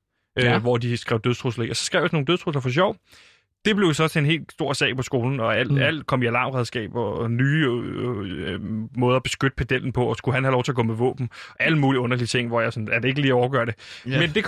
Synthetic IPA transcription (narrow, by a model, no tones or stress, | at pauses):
ʔøʋɒd̥isɡ̥ʁɛʊd̥øð̞ˠt͡sʰʁoslɐḭɒsɒ̽sɡ̥ʁɛ̰ʊ̥sno̝ːŋ̩ndøðˠt͡sʰʁoslɐfɒ̽ɕ̬ɒʊ̰ | d̥e̝b̥le̝ʊjosɒ̽sʰenɦe̝̰ːlsd̥o̝ɐ̰sɛ̰ɪpʰɒ̽sɡ̥o̝ːln̩ɒ̽æl̰æl̰d̥kʰɒ̽miælɑ̈ːmʁɛð̞ˠsɡ̥ɛ̰ːb̥ɒnyː | mɔ̽ːð̞ˠɐb̥e̝sɡ̥ød̥ə̥pʰæd̥el̰n̩pʰɒ̽ɒ̽sɡ̥uɦænhælɒʊt͡sʰe̝ɐɡɔ̽meʋɔ̰̽ːb̥n̩æləmuːliɔ̽nɐliət͡sʰe̝ŋ̰ʋɒjɑ̈sɒnæɐde̝e̝ɡ̥əliːæɒʊɡ̥ɶɐɾe̝mend̥e̝kʰ